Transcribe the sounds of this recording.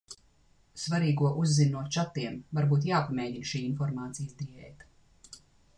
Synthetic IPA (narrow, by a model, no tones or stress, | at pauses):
svaɾiːɡuɔʔuzːinːuɔt͡ʃat̪ːiɛmvaɾbuːt̪jaːpamʲeːɟinʃiːinfɔɾmaːt̪sijsd̪iɛjt̪